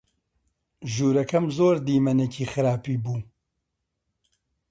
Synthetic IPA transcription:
ʒuːɾɐkɐmzoːɾd̪iːmɐnecʰiːxɨɾaːpiːbuː

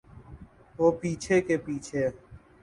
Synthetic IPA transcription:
ʋoːpiːt͡ʃʰeːkeːpiːt͡ʃʰeː

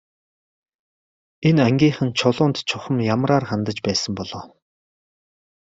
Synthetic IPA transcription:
enæŋɡʲiːχɘ̆nt͡ɕʰʊɮʊːnt̪t͡ɕʰʊχə̆mjamraːrχant̪ə̆t͡ɕpæːsə̆mpɔɮɔː

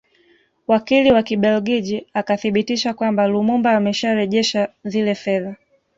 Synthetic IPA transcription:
wakiliwakiɓɛlɡiʄiakaθiɓitiʃakwambalumumbaːmɛʃaɾɛʄɛʃazilɛfɛða

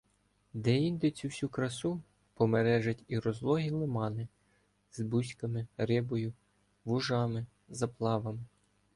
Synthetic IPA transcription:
d̪ɛind̪ɪt͡sʲuwsʲukɾɐsu | pɔmeɾɛʒɐtʲiɾɔzlˠɔɦʲilˠɪmɑnɪ | zbusʲkɐmɪɾɪbɔjʊ | ʋʊʒɑmɪ | zɐplˠɑʋɐmɪ

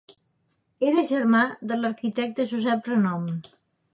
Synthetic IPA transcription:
eɾəʒəɾmad̪ələɾkit̪ɛk̚t̪əʒuzɛpɾənɔm

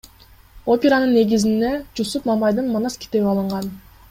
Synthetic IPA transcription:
o̞pʲeɾanɯnːe̞ɡizind̪e̞d͡ʒusupnɑmɑjd̪ɯnmanaskʲi̥t̪e̞βiɑlˠɯɴʁɑn

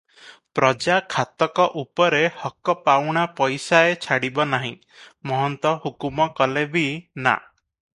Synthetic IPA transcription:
pɾɔd͡ʒakʰat̪ɔkɔʔupɔɾehɔkɔpawɽ̃apɔjsaet͡ʃʰaɽibɔnaɦĩ | mɔɦɔnt̪ɔhukumɔkɔlebina̰

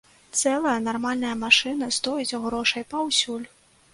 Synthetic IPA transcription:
t̪sɛlˠɐjɐnarmalʲnɐjɐmaʂɨnɐst̪ɔjit͡sʲɣɾɔʂɐjpawsʲulʲ

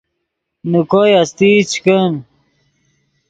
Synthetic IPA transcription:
nukojɐst̪it͡ɕʰkən

